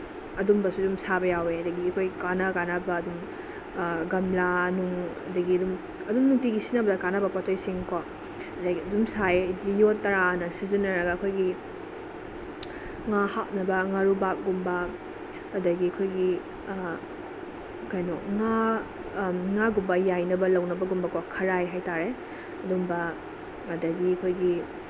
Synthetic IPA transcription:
ɐdumbɐsudumsabɐjaweɐdɐɡiɐkʰojɡikanɐkanɐbɐːdum | ɡɐmlanuŋɐ̰dɐɡiɐdum | ɐdumnuŋtiɡisinɐbɐdɐkanɐbɐpɔtʰɐjsiŋkɔ | ɐdɐɡiɐdumsaedɡijotːɐɾanɐsizinɐɾɐɡɐːkʰojɡi | ŋahak̚nɐbɐŋaɾubak̚ɡumbɐː | dɐɡiɐkʰojɡi | kajnɔkŋa | ŋaɡumbɐjajnɐbɐlɐwnɐbɐɡumbɐkɔkʰɐɾajɦajtaɾe | ɐdumbɐː | dɐɡiɐkʰojɡi

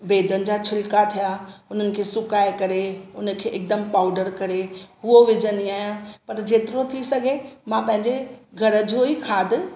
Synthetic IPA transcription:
beːd̪ənɪ̆d͡ʑaːt͡ɕʰɪlkat̪ʰijaʊn̤ənɪ̆kʰeːsʊkaːekɐɾeʊnə̆kʰeːʔɪk̚d̪əmpaːʊɖəɾkɐɾeɦʊoʋɪd͡ʑəniaːɦijãpɐɾd͡ʑeːt̪ɪɾot̪ʰisɐɡʱemãpɐ̃ɦɪ̃ɲd͡ʑeɡʱɐɾə̆d͡ʑoɦikʰaːd̪ʱɪ̆

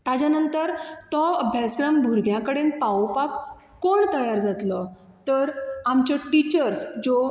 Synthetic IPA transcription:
t̪ad͡ʑjanənt̪əɾt̪ɔəbʱjaskɾambʱuɾɡjãkəɽenpawpakː | oɳt̪əjaɾd͡zat̪lə | t̪əɾamt͡ɕəʈit͡ɕəɾsd͡zo

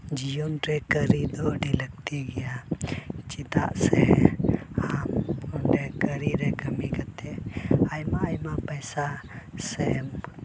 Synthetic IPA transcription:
d͡ʒijɔnɾɛkəɾid̪ɔɖilək̚t̪iɡɛja | t͡ʃit̪a̰ʔsɛ | amkɔɳɖɛkəɾiɾɛkəmikat̪ɛajmaːjmapəjsasɛm

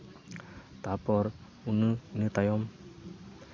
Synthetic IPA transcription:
t̪apɔɾ | unɨnɯt̪ajɔm

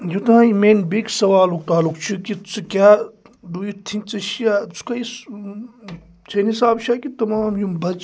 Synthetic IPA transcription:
jut̪nãːimeːnbiksɐʋaːluk̚t̪aːlukt͡ʃʰikit͡sɨkʲaː | d̪ujit̪ʰĩnt͡sɐʃjaːt͡sʰu̥kɐis | t͡ʃʰenisaːbʃaːkit̪ɐmaːmjumbɐt͡ʃ

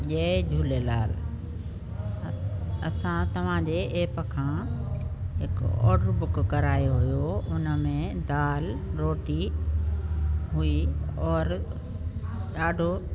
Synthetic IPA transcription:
ʄeːd͡ʑʱuːlelaːl | ɐsãt̪ɐʋ̤ãd͡ʑeːʔeːpəkʰãː | ɦɪkɔ̰ːʈɾbʊkːɐɾaːjoɦʊjoʊnəmẽd̪aːlɾoːʈi | ɦʊiɔːɾ | ɗaːɖʱo

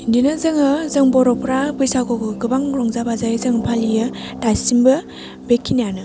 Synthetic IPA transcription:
indinɯzɯŋɯzɯŋbɔɾɔpʰɾabɯjsaɡkɔɡɯɡɯbaŋɾɔŋzabazajzɯŋpʰalijɯ | tajsimbɯ | bekʰːinijanɯ

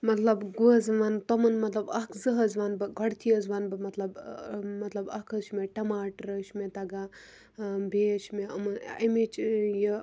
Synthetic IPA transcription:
mɐt̪lɐbɡuzʋant̪ɐmɐnmɐt̪lɐbɐkʰzɨɦɐzʋanbɨɡɐɽt̪ʰiɐzʋanbɨmɐt̪lɐbmɐt̪lɐbɐkʰɐt͡ʃʰmeʈɐmaːʈɐɾɐʃmet̪ɐɡa | bʱeʃmeɐmɐnimet͡ʃji

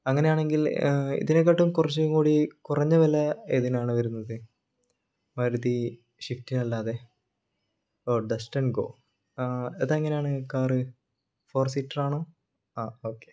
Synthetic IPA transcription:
ɐŋːɐnejaːɳe̞ŋɡilḭðinek̬ːɐʈːumkurɐt͡ɕːuŋkuːɽikurɐɲːɐʋɐlɐeðinaːɳɨʋɐɾunːɐðɨ | mɐɾuði | ɕiftinɐlːaːðe̞ | oːɖɐsʈɐnɡo̞̰ː | ɐðaŋːɐne̞jaːɳɨkaːrɨ | fo̞ːrsiːʈːɐraːɳoː | aːoːkːe

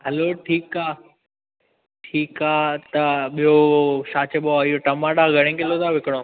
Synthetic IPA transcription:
ɦɐloːʈʰiːkaː | ʈʰiːkaːt̪ɐɓijoʃaːt͡ɕʰeɓoaɪjoʈɐmaːɗaːɡʱɐɽ̃ẽːkɪlot̪ʰaːʋɪkɽ̃õː

